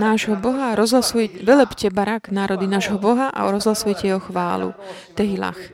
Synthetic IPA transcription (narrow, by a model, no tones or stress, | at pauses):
naːʒɦɔbɔɦaɾɔzɦlasujʋɛlɛpcɛbaɾaɡnaːɾɔd̪inaːʒɦɔbɔɦaʔa̰ɔɾɔzɦlasujcɛjɛɦɔxʋa̰ːlṵt̪ɛɦila̰x